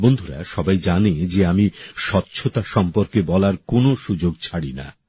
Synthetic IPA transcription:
bond̪ʱuɾa̰ʃɔbajd͡ʑaned͡ʑeamiʃɔtːɕʰot̪aʃɔmpoɾkebɔlaɾkonoʃud͡ʑoɡ̚t͡ɕʰaɽina̰

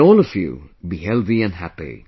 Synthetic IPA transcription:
ɔːlˠʌvjṵbihɛlˠðiɨ̃nɦæpḭ

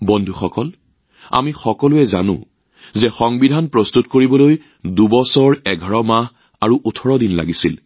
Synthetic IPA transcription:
bɔndʱuxɔkɔl | a̰mixɔkɔlʊɛzanʊ̰̃ | zɛxɔŋbidʱanpɹɔstutkoɹibɔloj | dubɔsɔɹɛɡʱaɹɔmaɦ | aɹuʔutʰɔɹɔdinla̰ɡisil

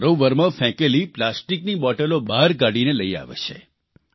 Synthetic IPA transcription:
ɾoʋəɾmãfɛ̃keliplasʈiknibɔʈelobaɾɡaɽineləia̰ʋḛʃʰḛ

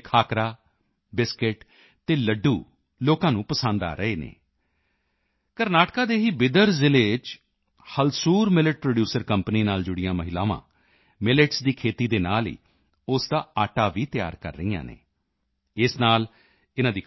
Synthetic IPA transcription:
kʰaːkɾaː | bɪskɪʈ | t̪eːləɖːuː | loːkãːnũːpəsənd̪a̰ːɾəeːnḛː | kəɾnaːʈkaːd̪eːɦiːbɪd̪əɾzɪleːd͡ʒ | həlsuːɾmɪləʈ̚pɾoːɖjuːsəɾkəmpniːnaːld͡ʒʊɽɪjãːməɦɪlaːʋã̰ː | mɪləʈsd̪iːkʰeːt̪iːd̪eːnaːlḭː | ʊsd̪aːaːʈaːʋiːt̪ja̰ːɾkə̰ɾːəijã̰ːnḛː | ɪsnaːl | ɪnãːd̪iː

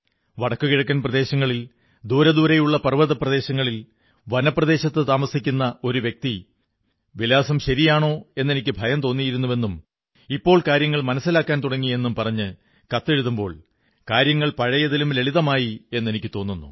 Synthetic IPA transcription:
ʋɐɽɐkːukiɻɐk̬ʲːɐnprɐd̪e̞ːɕɐŋːɐɭil | d̪uːɾɐd̪uːɾɐjuɭːɐpɐrʋɐðɐprɐðe̞ːɕɐŋːɐɭil | ʋɐnɐpːrɐðe̞ːɕɐt̪ːɨt̪aːmɐsikʲːunːɐo̞ɾuʋjek̚t̪i | ʋilaːsɐmɕɐɾijaːɳo̞ːe̞nːe̞nikʲːɨbʱɐjɐmt̪o̞ːnːijiɾunːuʋe̞nːum | ipːo̞ːɭkaːɾjɐŋːɐɭmɐnɐsːilaːkːaːnt̪uɽɐŋːienːumpɐrɐɲːɨ | kɐt̪ːe̞ɻuðumbo̞ːɭ | kaːɾjɐŋːɐɭpɐɻɐjɐðilumle̞ɭiðɐmaːjie̞nːe̞nikʲːɨt̪o̞ːnːunːṵ

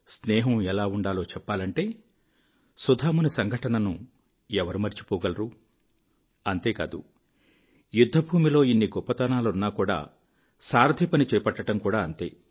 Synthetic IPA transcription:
snɛːɦɐmɛlaːuɳɖaːlo̞ːt͡ʃɛpːaːlɐɳʈe̞ː | sud̪ʱaːmunisɐŋɡʱɐʈɐnɐnu | ɛʋɐɾumɐɾt͡ʃi̥pɔːɡɐlɐɾu | ɐnt̪e̞ːka̰ːd̪ṵ | jud̪ʱːɐbʱuːmilo̞ːinːiɡɔpːɐt̪ɐnaːlɐunːaːkuːɽa̰ː | saːɾd̪ʱipɐnit͡ʃɛːjɐpɐʈːɐʈɐmkuːɽaːɐnt̪e̞̰ː

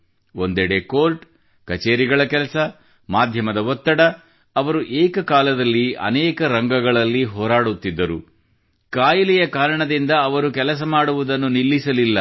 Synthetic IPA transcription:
ond̪ɛɽekoːlʈ | kɐt͡ʃeːɾiɡɐɭɐkɛlɐsɐ | maːd̪ʱjɐmɐd̪ɐɦɔt̪ːɐɽɐ | ɐʋɐɾuʔeːkɐkaːlɐd̪ɐlːiɐ̰nɛːkɐɾɐŋɡɐɡɐɭɐlːiɦɔːɾaːɽut̪ːid̪ːɐɾu | kaːjɐlijɐkaːɾɐɳɐd̪ind̪ɐːʋɐɾukɛlɐs̬ɐmaːɽuʋud̪ɐnːunilːisɐlilːɐ

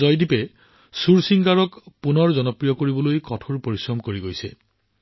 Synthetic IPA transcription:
ɔjdipɛ | suɹsiŋɡaɹɔkpunɔɹzɔnɔpɹijɔkoɹibɔlojkɔtʰuɹpoɹisɹɔmkoɹiɡojsɛ̰

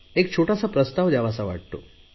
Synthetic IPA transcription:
ek̚t͡ɕʰoʈasapɾəst̪aʋd͡ʑaʋasaʋaʈ̚t̪o̰

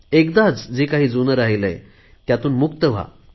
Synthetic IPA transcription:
ekd̪at͡sd͡ʑiːkaɦiːd͡zunəɾaɦilə̰j | t̪jat̪uːnmukt̪əʋ̤a̰

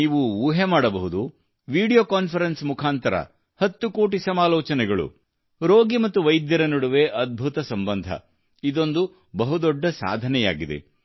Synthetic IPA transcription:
iːʋuuːɦemaːɽɐbɐɦud̪u | ʋiːɽijoːkaːnpʰɐɾensmukʰaːnt̪ɐɾɐ̰ | hɐt̪ːuko̞ːʈisɐmaːlɔːt͡ʃɐnɛɡɐɭṵ | ɾoːɡimɐt̪ːuʋɐjd̪jɐɾɐnoɽuʋe̞ʔɐd̪̚bʱut̪ɐsɐmbɐnd̪ʱɐ̰ | id̪o̞nd̪u | bɐɦud̪ɔɖːɐsa̰ːd̪ʱɐnɛja̰ːɡid̪e̞̰

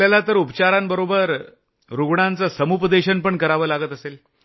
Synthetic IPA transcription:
jalat̪əɾupt͡ɕaɾambəɾobəɾ | ɾuɡɳãnt͡səsəmupəd̪eɕənpəɳkəɾaʋəːlaɡət̪əsel

